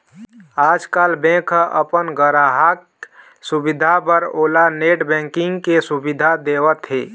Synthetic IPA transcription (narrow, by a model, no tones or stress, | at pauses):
ad͡ʒkalbẽkʰʔə̰pənɡəɾaɦak | subid̪ʱabəɾolaneʈbɛ̃ŋkiŋɡkesubid̪ʱad̪ewət̪ɦe